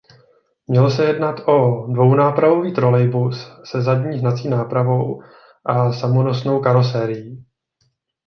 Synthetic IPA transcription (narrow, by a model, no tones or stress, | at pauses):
mɲɛlosɛjɛdnat̪ʔo̞dvo̞wnaːpɾavo̞viːt̪ɾo̞lɛjbusːɛzadɲiːɦnat͡siːnaːpɾavo̞w | ʔasamono̞sno̞wkaɾo̞sɛːɾɪji